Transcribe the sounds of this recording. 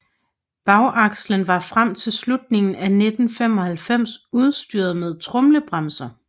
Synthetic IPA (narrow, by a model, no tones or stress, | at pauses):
b̥ɑ̈ʊʔɑ̈ɡ̥slənʋɑ̈fʁam̰t͡sʰe̝lslud̥ne̝ŋn̩æned̥n̩fem̰ɒ̽hælfem̰suð̞ˠsd̥yːɐð̩ˠmeð̞ˠt͡sʰʁɔ̽mləb̥ʁamsɐ